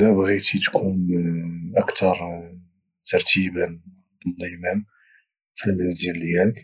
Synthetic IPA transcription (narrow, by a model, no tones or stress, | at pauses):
æbɣit̪it̪kʰunʔəkt̪ɑɾˤ | t̪ɑɾˤt̪ibən | d̪ˤulːɑjmæn | filmænzəlːhæək